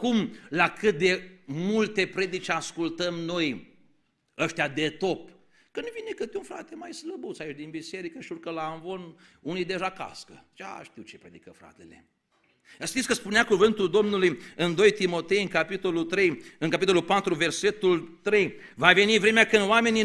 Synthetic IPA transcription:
kumlakɨt̪̚d̪e̞mult̪e̞pɾe̞d̪it͡ʃeaskult̪əmno̞j | əʃt̪ead̪e̞t̪o̞p | kɨnd̪vinekɨt̪unfɾa̰t̪e̞majsləbut̪sait͡ʃd̪inbise̞ɾikəʃiurkəlaːnvo̞nunijd̪e̞ʒaka̰skə̰t͡ʃa̰ʃt̪iwt͡ʃepɾe̞d̪ikəfɾa̰t̪e̞le̞̰ | jaʃt̪it̪sʲkəspuneakuvɨnt̪uld̪o̞mnulujɨnd̪o̞jt̪imo̞t̪e̞jɨŋkapit̪o̞lult̪ɾe̞jɨŋkapit̪o̞lulpat̪ɾuve̞rse̞t̪ult̪ɾe̞j | vave̞nivɾe̞meakɨnd̪oame̞ni

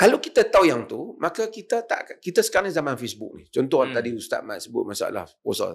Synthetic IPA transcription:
kalawkit̪at̪awjaŋt̪umakakit̪at̪a̰ʔkakit̪asə̥kaɾanzamãnfesbʊ̰k̚nḭt͡ʃɔnt̪ɔhant̪adiust̪a̰ʔ̚ma̰t̪̚səbʊ̰t̪̚masaa̰la̰hposa̰l

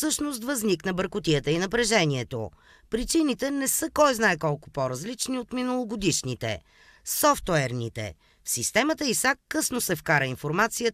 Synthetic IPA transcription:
sɤʃnos̬t̪vɐzniknəbəɾkʊt̪iət̪əinɐpɾɛʒɛniɛt̪o̰ | pɾit͡ʃinit̪ɛnɛsəkɔjznaɛkɔlˠkʊ̥poɾɐzlit͡ʃniot̪minəlˠoɡod̪iʃnit̪ɛ̰ | sɔft̪oɛɾnḭt̪ɛ̰ | fsist̪ɛmət̪əisakːɤsnosɛfkaɾəinfoɾmat̪sijə

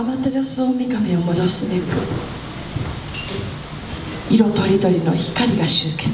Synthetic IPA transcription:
amat̪eɾasɨomʲikamʲio̞mo̞d̪o̞sɨneɡɯ̟̰ | iɾo̞t̪o̞ɾʲid̪o̞ɾʲino̞çi̥kaɾʲiɡaɕɨːke

